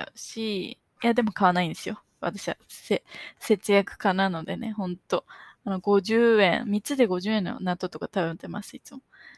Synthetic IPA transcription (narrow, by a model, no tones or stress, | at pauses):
ɕi | jad̪e̞mo̞kaβ̞anaĩnd̪e̞sɨjo̞ | βa̰t̪aɕiβa̰sese̞t͡sɨjakɯ̟̥kanano̞d̪e̞̰ne̞̰hõ̞nt̪o̞ano̞ɡo̞ʑɨːẽ̞ɰmʲit͡ɕɨd̪e̞ɡo̞ʑɨːẽ̞nːo̞̰nat̪o̞t̪okat̪abɯ̟̃ñt̪e̞masɨit͡sɨmo